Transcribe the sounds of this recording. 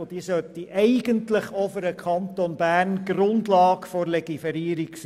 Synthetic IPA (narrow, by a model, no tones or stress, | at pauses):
d̥iəsœt̪ːiʔɛɪɡ̥əntləχofəɾəkʰχɑnt̪onb̥æːrnɡ̥rʊndlɑːkfoɾlɛɡ̥ifɛɾiːɾiks